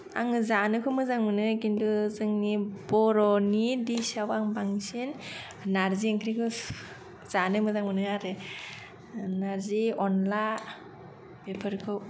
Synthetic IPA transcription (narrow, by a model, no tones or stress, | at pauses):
a̰ŋɯzanɯkʰɯmɯzaŋmɯnɯkinduzɯŋnibɔɾɔnidisawaŋbaŋsin | naɾzieŋkʰɾikʰɯ | z̥anɯmɯzaŋmɯnɯaɾɯ | naɾziɔnla | bepʰɯɾkʰɯw